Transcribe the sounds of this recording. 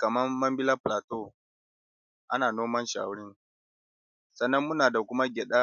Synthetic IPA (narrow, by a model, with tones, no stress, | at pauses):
kɐ˨mɐ˦rmɐ˦mbɪ˦la˦ɸlaː˨toː˦ | ʔa̰˦naː˨noː˦mɐ˦nʃa̰˨a̰˨wʊ˦ɽɪ˦ŋ | sɐ˨nːɐ˦mːʊ˦naː˨da˨kʷʊ˦ma˦ɡʲɛ˨ɗaː˦